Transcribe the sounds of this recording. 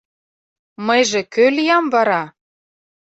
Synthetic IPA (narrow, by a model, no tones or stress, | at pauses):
məjʒĕkølijɑmvɑɾɑ